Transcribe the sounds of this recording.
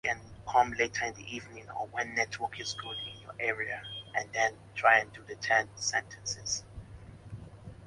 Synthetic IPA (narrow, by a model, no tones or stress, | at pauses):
kɛ̃nkʰɔ̃mletʰəɪ̃nðḭʔivnĩŋə̰wɛ̃nːɛtʰwəkʰɪzɡolĩŋĩnjɔʔɛɹiaʔɛ̃ndɛ̃ntʰɹ̥aɪɛ̃ndudətʰɛ̃nsɛ̃ntʰɛ̃nsɪz̥